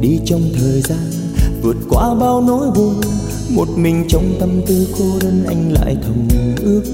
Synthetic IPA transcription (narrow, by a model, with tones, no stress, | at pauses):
ɗi˧t͡ɕɔ˧wŋ͡mt̪ʰəː˨˩jzaː˧n | vɨ˨˩ət̚kwa̰ː˧˦ɓaː˧wno˨˦jɓu˨˩ | mo˨˩t̚mï˨˩ŋ̟t͡ɕə˨˦wŋ͡mt̪ə˧mt̪ɨ˧xo˧˦zə˧nʔa˧jŋ̟la̰ː˧˨jt̪ʰə˨˩wŋ͡mɨ˨˩ʔɨ˦˥ək̚